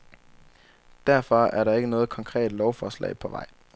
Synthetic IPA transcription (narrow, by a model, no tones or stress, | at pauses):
d̥æɐfɒ̽æɐɾɑ̈e̝ɡ̥ənɔ̽ːð̞̩ˠkʰɒŋkʰʁɛ̰ːd̥lɒʊfɒːslɛ̰ɪpʰɒ̽ʋɑ̈ɪ̰